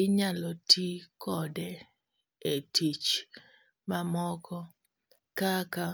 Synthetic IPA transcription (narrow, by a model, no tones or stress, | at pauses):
ɪɲalɔtʰikɔdɛ | etʰit͡ʃ | mamɔkɔ | kaka